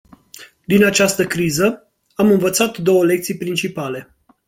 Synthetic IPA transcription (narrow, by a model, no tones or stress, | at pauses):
d̪inat͡ʃast̪əkɾizə | amɨnvət̪sat̪d̪o̞wəle̞k̚t̪sijpɾint͡ʃipale̞